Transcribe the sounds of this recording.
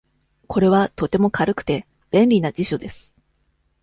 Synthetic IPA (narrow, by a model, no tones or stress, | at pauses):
kʰo̞ɾe̞βat̪o̞t̪e̞mo̞kʰaɾɯkɯ̟̥t̪e̞ | b̥ẽ̞nɾʲinad͡ʑiɕo̞d̪e̞sɨ̥